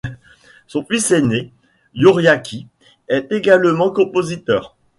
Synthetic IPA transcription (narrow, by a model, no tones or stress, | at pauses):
sɔ̃fisene | juʁjakʲʰi | ɛt̪eɡalmɑ̃kɔ̃pozit̪œːʁ